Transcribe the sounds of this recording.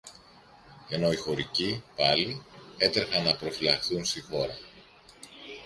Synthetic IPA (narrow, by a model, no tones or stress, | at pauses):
e̞no̞ixo̞ɾicipɐlie̞t̪ɾexɐnːɐpɾo̞filɐxθunst̪ixo̞ɾɐ